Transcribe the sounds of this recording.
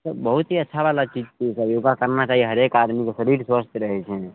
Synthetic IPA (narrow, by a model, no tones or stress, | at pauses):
səbəɦut̪ɦiətːʃʰaʋalat͡ʃid͡ʒt̪isajoːɡakəɾnat͡ʃaːɦieɦəɾeːkaːɾmikosəɾiːʈsʋəst̪ʰjɾəɦɛt͡ʃʰe